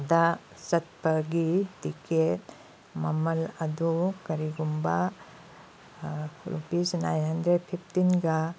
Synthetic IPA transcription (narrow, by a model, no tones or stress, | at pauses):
da | sɐt̪̚pɐɡitiket | mɐmɐlɐd̪ukɐɾiɡumba | ɾṵpisnajnɦɐndɾed̚pʰipʰtinɡa